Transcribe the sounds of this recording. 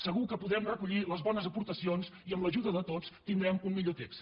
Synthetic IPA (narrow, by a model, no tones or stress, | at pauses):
səɣ̞ukəpuðɾɛmrəkuʎiləzβɔnəzəpuɾt̪əsionsiəmləʒuðəðət̪ot͡st̪ind̪ɾɛmunmiʎot̪eks